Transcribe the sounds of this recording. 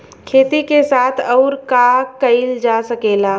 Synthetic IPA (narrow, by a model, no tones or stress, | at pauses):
kʰeːt̪ikesaːt̪ʰɔːɾkakɐɪld͡ʒasɐkeːlaː